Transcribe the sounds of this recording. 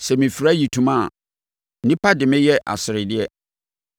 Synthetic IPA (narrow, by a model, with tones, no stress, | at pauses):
sɛ˨mĩ˨fi˨ɾa˦ji˨tʰũ˨mã˦˨ | n̩˨nĩ˦pʰa˦dɪ˨mɪ̃˦jɛ˦ʔa̰˨sɪ˨ɾɪ˨dɪ˦ɛ˦